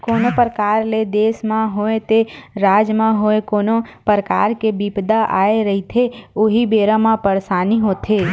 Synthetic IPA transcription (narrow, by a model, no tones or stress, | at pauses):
konopəɾəkaɾled̪esmãɦoet̪eɾad͡ʒmãɦoekonopəɾəka̰ɾkebibd̪aʔaeɾəɦit̪ʰeoɦibeɾãmãpəɾsaniɦot̪ʰe